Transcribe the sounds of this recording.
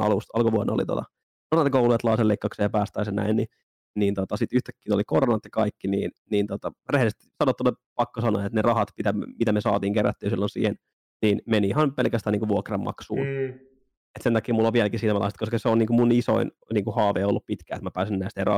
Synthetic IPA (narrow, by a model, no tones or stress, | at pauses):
ɑ̰lust̪ɑlkoʋuonːo̰lit̪o̰t̪ɑ̰ | koronɑt̪ɑkouluet̪lɑːselːeikːɑkseːjɑpæːst̪æisenæ̰inni | niːnt̪ot̪ɑsit̪yht̪ækːiːt̪olikoronɑt̪jɑkɑikːiniːnniːnt̪ot̪ɑrehlist̪i̥sɑnot̪ːonːepɑkːosɑno̰ːet̪nerɑhɑt̪mit̪æ̰mit̪æmesɑ̰ːt̪iːŋkeræ̰t̪ːyːnsilːonsḭːhen | niːnmenihɑnpelkæst̪æːniːŋkuʋuokrɑmmɑ̰ksṵːn | et̪sent̪ɑkːˑiːmulːoʋʋiælkisiːnæmɑlɑ̰ˑst̪koskɑseoniːŋkumuniso̰in | niːŋkuhɑːʋḛːolːuppit̪kæːet̪mæpæːsinnæist̪herɑ̰